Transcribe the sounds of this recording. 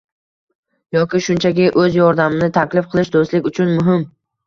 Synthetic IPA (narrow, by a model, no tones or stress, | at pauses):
jɒkʲɪʃʊnt͡ʃʰakʲɪʔɵzjɒɾd̪amɪnɪt̪ʰakʲlɪfqʰɨlˠɪʃd̪ost̪lɪkʲʊt͡ʃʰʊnmʊɦɪm